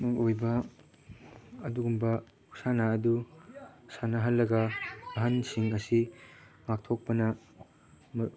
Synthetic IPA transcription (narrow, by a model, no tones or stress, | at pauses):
mɐojbɐ | ɐduɡumbɐ | u̥sanaɐdu | sanɐɦɐlːɐɡɐɐɦɐnsiŋɐsimak̚tʰok̚pɐnɐ | m